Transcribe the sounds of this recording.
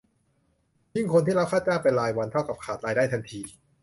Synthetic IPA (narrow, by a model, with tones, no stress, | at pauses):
jɯ˥˩ŋkʰo˧nt̪ʰiː˥˩ɾa˦˥wkʰaː˥˩t̪̚t͡ɕaː˥˩pa˧nɾaː˧jwa˧nt̪ʰa˥˩wka˨˩p̚kʰaː˨˩t̪̚ɾaː˧jdaː˥˩t̪ʰa˧nt̪ʰiː˧